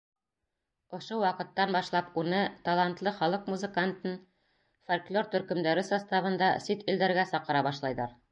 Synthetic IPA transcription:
ŏʃowɑqɤ̆t̪ːɑnbɑʃlˠɑpunɤt̪ɑlˠɑnt̪lˠɤχɒlˠɤqmuzɘ̆kant̪ɤn | folʲklʲoɾt̪ɵ̆ɾkɵ̆md̪æɾɘsɑst̪ɑβɤ̆nd̪ɑsit̪ĭld̪æɾɡæsɑqɤ̆ɾɑbɑʃlˠɑjðɑɾ

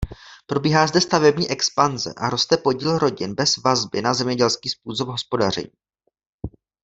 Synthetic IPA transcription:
pɾo̞biːɦaːzdɛst̪avɛbɲiːʔɛkspanzɛ̰ʔaɾo̞st̪ɛpo̞ɟiːlɾo̞ɟɪnbɛz̥vazbɪnazɛmɲɛɟɛlskiːspuːso̞bɦospo̞dar̝ɛ̰ɲiː

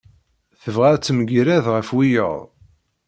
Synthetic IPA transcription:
θəvʁæɾt͡sːməɡɾæðʁəfwijə̰ðˤ

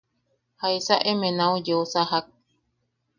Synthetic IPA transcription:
hajsaʔemẽnãujoosaɦak̚

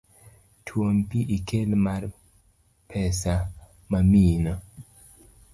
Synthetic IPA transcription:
tʰwompiʔikʰelmaɾ | pʰɛsa | mamina

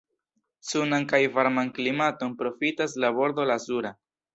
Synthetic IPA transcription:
sunankajvaɾmanklimato̞npɾo̞fitaslabo̞ɾd̪o̞lazuɾa

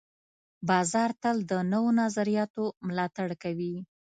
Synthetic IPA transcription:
bɑzɑɾt̪əld̪ənəwonɑzaɾijɑt̪omʊlɑt̪aɽkawi

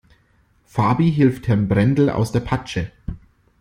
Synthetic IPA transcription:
faːbiɦɪlfthɛɐnbʁɛndl̩ʔa̰ʊsd̥eːɐpʰat͡ʃə

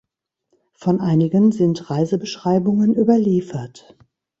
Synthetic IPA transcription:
fɔnʔaɪnɪɡənzɪntʁaɪzəbəʃʁ̥aɪbʊŋənʔyːbɐliːfɐt

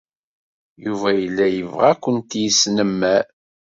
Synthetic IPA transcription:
juvæjəlːæjəvʁækʷːənt̪jisnəmːæ

